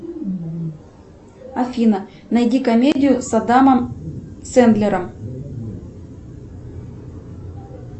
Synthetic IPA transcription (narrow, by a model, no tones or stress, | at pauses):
ɐfʲinɐ | nɐjdʲikɐmʲedʲɪjʊsɐd̪amɐmsɛnd̪lʲeɾəm